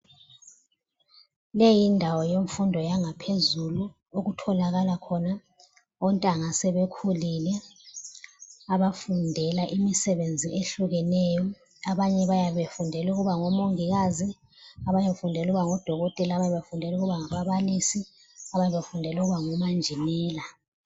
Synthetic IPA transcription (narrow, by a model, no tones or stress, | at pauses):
lejindʱawɔjoɱfundʱɔjaŋapʰezulu | oɣutʰɔlaɣalakʰɔna | ɔntʼaŋasɛβekʰulilɛ | aβafundʱɛlaʔimisɛβend͡zʱiʔeɬuɣɛnɛːjɔ | aβaɲɛβajaβefundʱɛluɣuβaŋɔmoŋiɣazi | aβajafundʱɛluɣuβaŋɔd̥ʱɔɣɔtʼɛlaβaɲɛβefundʱɛluɣuβaŋaβaβalisi | aβaɲɛβefundʱɛluɣuβaŋɔmand͡ʒʱinɛːla